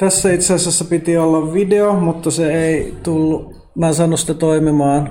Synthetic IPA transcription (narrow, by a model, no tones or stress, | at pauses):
t̪æsːæit̪sæsæsːæpit̪iolːɑʋʋideomut̪ːɑseeit̪ulːu | miæːsɑnːusit̪æt̪oimimɑːn